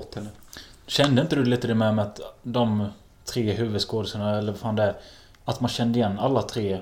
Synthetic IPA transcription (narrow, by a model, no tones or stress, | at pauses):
ɔt̪hɛnːəɕɛnd̪əɪnt̪əd̪ɵliːt̪əd̪ɛmɛmɛat̪d̪ɔm | t̪ʰɾeːɦʉ̟ːvɵd̪skoːd̪əsəɳaɛlːəɾvafaːnd̪ɛæɾ | at̪manɕɛnd̪əɪjɛnːalːat̪ʰɾeː